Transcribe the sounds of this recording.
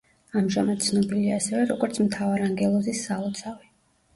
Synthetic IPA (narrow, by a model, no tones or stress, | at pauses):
amʒamad̪̥̚t̪sʰnɔbiliaːsɛvɛɾɔɡɔɾt̪sʰmt̪ʰavaɾaŋɡɛlˠɔzisːaɔt̪sʰavi